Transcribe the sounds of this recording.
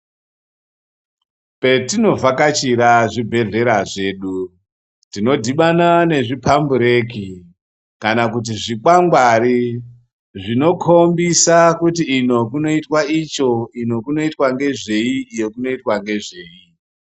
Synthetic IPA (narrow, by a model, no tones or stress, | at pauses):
pe̞tino̞vakat͡ʃiɾaʐibʱe̞ɮe̞ɾaʐe̞ːɗu | tino̞dʱiɓanane̞ʐipʰambuɾe̞ki | kanakut̬iʐikwaŋɡwaɾi | ʐino̞kʰo̞mbisakutiːno̞kuno̞itwait͡ʃo̞ino̞kuno̞itwaŋɡe̞ʐe̞iːjokuno̞itwaŋɡe̞ʐe̞ːi